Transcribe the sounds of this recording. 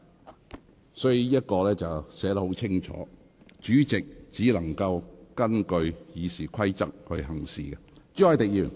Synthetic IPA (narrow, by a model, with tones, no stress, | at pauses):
sɔː˨˥jiː˨˥jɐ˥t̚kɔː˧lɛː˥t͡sɐ˨wsɛː˨˥t̪ɐ˥ho˨˥wt͡sʰɪ˥ŋt͡ʃʰɔ̰ː˨˥ | t͡ʃyː˨˥t͡sɪ˨k̚t͡siː˨˥lɐ˨˩ŋkɐ˧wkɐ˥nkɵ˧ɥjiː˨˧siː˨˩kʰɐ˥jt͡sɐ˥k̚hɵ˧ɥɦɐ˨˩ŋsḭː˨ɡɛ˧t͡ʃi˨˥ɔː˨˧jt̪ɪ˨k̚jiː˨˩n